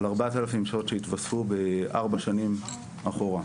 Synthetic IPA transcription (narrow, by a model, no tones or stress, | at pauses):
laʁbat̪alafimʃotʃeit̪vasfubeʔaʁbaʃanim | aχoʁa